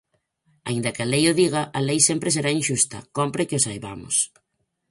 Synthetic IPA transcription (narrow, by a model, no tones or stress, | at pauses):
a̰ind̪ɐkɪɐlejʊðiɣ̞ɐʔɐlejsempɾɪseɾainʃust̪ɐ̰kompɾɪkɪosajβa̰mʊ̰s